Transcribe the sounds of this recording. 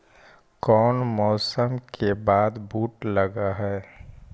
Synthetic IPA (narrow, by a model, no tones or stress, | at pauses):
kɔːnmɔːsəmkʰebaːd̪buːʈlɐɡaɦɛː